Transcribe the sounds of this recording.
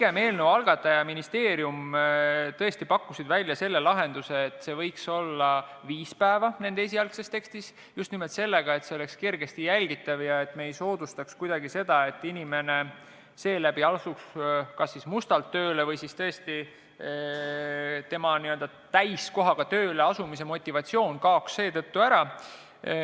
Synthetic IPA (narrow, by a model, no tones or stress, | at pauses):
iɡe̞me̞ːlnewɑlɡ̥ɑt̪ːˑɑjɑminist̪e̞ːɾium | t̪ɤe̞st̪ipɑkːusid̪vælʲːjɑse̞lːe̞lɑɦe̞nd̪̥use̞ːt̪ːˑse̞vɤjkso̞lːɑ | viːspæevɑne̞nd̪ees̬iɑlksest̪e̞kst̪is | just̪nimolt̪se̞lːe̞ɡ̥ɑe̞t̪seo̞le̞kskirɡ̥e̞st̪ijælʲɡ̥it̪ːˑɑvjɑe̞t̪ːˑme̞ːjso̞ːd̪̥ust̪ɑkskujd̪̥ɑɡise̞d̪̥ɑe̞t̪ːˑinime̞ne̞ | se̞ːlæb̥iɑlsukskɑsːismust̪ɑlt̪ːø̞ːle̞vɤjsist̪ɤest̪i | t̪e̞mɑniø̞ld̪ɑ | t̪æjsko̞ɦɑɡ̥ɑt̪ø̞ːle̞ɑsumis̬e̞mo̞t̪ʲːˑivɑt̪ʲsio̞ːnkɑoksːe̞ːt̪ɤt̪ːuæɾɑ